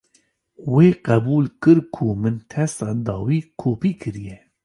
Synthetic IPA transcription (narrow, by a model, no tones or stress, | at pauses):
weːqɛbuːlkɨɾkʰuːmɨnt̪ʰɛsɑːd̪ɑːwiːkʰoːpiːkʰɨɾijɛ